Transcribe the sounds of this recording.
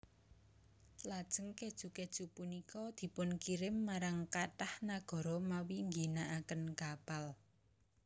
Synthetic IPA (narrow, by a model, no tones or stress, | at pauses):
lad̥ʒ̥ə̤ŋked̥ʒ̥ṳked̥ʒ̥ṳpunikɔd̪̥i̤pʊnkiɾɪmːaɾaŋkaʈahnaɡ̥ɔ̤ɾɔmawiŋɡinaʔakənkab̥al